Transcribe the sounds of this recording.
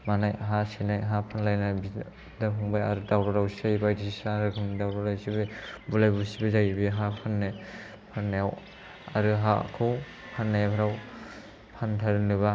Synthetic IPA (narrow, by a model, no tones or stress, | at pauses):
manajɦasinajɦapʰanlajnajbi | dapʰuŋbaja̰ɾɯdawɾɔɾawsajbajdiisaɾɯkʰɯŋnidawɾɔɾajsibibulajbusibizajbiɦapʰanːe | pʰanːeaw | a̰ɾɯɦa̰kʰɯw | pʰanːepʰaɾaw | pʰantʰajɾɯnɯβa